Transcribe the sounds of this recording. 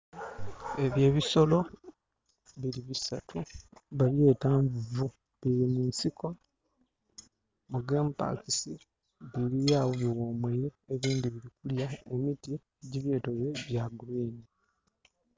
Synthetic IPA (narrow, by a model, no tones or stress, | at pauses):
e̞βje̞ːβiso̞lo̞ | βiliβisa̰tʰuβaβje̞ːtaːɱvuvu | βiɾimuːnsiko̞ | muɡeːmpa̰kisi | βiɾijaːwoβwoːmwejeːβiːndiβiɾikuljae̞miti | ɟiβje̞ːtoβeβjaɡuliːɲi